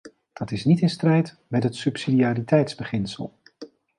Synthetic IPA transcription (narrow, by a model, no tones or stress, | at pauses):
d̥ɑtɪsnitɪnstrɛjt | mɛtɦətsɵpsidiaːɾitɛjtzbəχɪnsə̰lˠ